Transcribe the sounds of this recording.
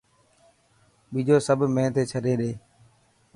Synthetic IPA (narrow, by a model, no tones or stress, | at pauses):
ɓiːd͡ʒoːsəbʱmẽːt̪eːt͡ʃʰəɗeːɗeː